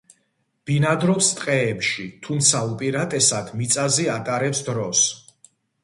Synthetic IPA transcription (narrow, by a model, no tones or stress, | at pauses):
b̥inad̪ɾɔpst̪ʼqʼɛːpʃit̪ʰumt̪sʰaupʼiɾat̪ʼɛsad̪mit̪sʼaziat̪ʼaɾɛpsd̪ɾɔs